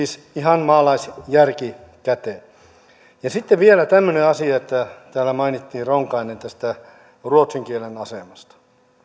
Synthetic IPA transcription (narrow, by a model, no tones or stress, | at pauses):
iːs | ihɑnmɑːlɑisjærkikæt̪eˑ | jɑsit̪ːeʋʋielæt̪æmːøneɑsiɑet̪ːæt̪æːlæmɑinit̪ːiːroŋkɑinent̪æst̪æ | ruot̪siŋkielenɑsemɑst̪ɑ̥